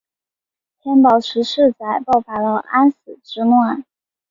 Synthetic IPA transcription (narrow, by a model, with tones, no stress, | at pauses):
t̪ʰjɛ˥npɑ˨˩ʊʈ͡ʂʰɻ̩˧˥ʂɻ̩˥˩t͡sa˨˧˩ɪpɑ˥˩ʊfa˧˥lə˧ʔa˥nsɹ̩˨˩ʈ͡ʂɻ̩˧˥nwa˥˩n